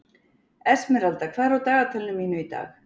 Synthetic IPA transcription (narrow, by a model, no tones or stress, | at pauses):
ɛsmɛɾalt̪akʰv̥ɛðɾawt̪aːɣat̪ʰɛlːʏmːiːnʏit̪a̰ːx